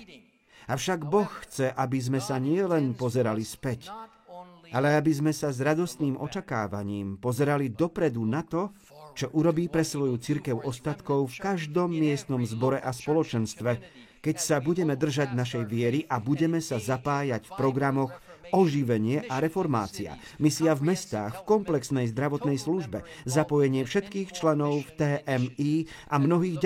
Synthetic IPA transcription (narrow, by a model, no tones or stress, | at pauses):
aʊʃaɡbɔxːt͡sɛʔabizmɛsaɲɪɛlɛnpɔzɛɾalispɛc | alɛabizmɛsazɾad̪ɔst̪niːmʔɔ̰t͡ʃaka̰ːʋa̰ɲiːmpɔzɛɾalid̪ɔpɾɛd̪unat̪ɔ | t͡ʃɔʔuɾɔbiːpɾɛsʋɔjut͡siɾkɛʊʔɔst̪at̪kɔʊfkaʒd̪ɔmːɪɛst̪nɔmzbɔɾɛʔaspɔlɔt͡ʃɛnst̪ʋɛ | kɛcsabuɟɛmɛd̪r̩ʒaɟnaʃɛjʋɪɛɾiʔabuɟɛmɛsazapaːjacfpɾɔɡɾamɔxɔʒiʋɛɲɪɛʔaɾɛfɔɾma̰ːt͡sia̰ | misiavmɛst̪a̰ːxfkɔmplɛksnɛjzd̪ɾaʋɔt̪nɛjsluʒbɛzapɔjɛɲɪɛfʃɛt̪kiːxt͡ʃlɛnɔʊft̪ɛːʔɛmiː | ʔamnɔɦiːɣ